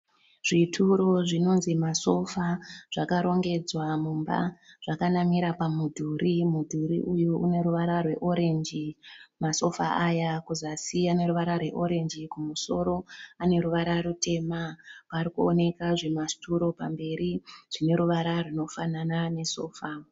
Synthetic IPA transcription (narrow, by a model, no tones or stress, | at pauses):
ʐ̥itʰuɾo̞ʐino̞nzimaso̞faʐ̥akaɾo̞ŋɡe̞d͡zwamumba̰ʐ̥akanamiɾapamudʱuɾimudʱuɾḭʔujuune̞ɾuʋaɾarwe̞ʔo̞ɾe̞nd͡ʒimaso̞faajakuzasijane̞ɾuʋaɾarwe̞̰ʔo̞ɾe̞nd͡ʒikumuso̞ɾo̞ane̞ɾuʋaɾaɾute̞mawaɾikuone̞kaʐemastʰuɾo̞pambe̞ɾiʐ̥ine̞ɾuʋaɾaruno̞fananane̞so̞ːfa